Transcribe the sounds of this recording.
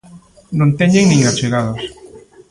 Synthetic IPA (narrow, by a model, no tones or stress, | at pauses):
nõnt̪eɲeŋnĩŋat͡ʃeɣað̞os